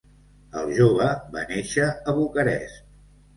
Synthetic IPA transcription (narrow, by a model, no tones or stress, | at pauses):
əlˠʒoβ̞əβa̰neʃəːβukəɾɛ̰s